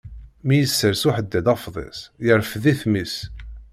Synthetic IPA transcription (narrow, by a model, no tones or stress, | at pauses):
mijəsːəɾsuħəd̪ːæd̪ɑfðˤḛsˤjəɾfðiθmis